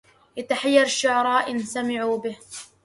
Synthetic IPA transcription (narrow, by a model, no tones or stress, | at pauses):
ʔat̪aħajːɑɾˤʃːʊʕɑɾˤɑːʔɪnsamɪʕuːbɪh